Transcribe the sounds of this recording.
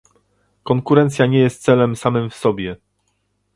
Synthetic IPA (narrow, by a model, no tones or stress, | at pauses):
kɔŋkuɾɛnt̪sʲjaɲɛjɛst̪sɛlɛmsamɘmfsɔbʲjɛ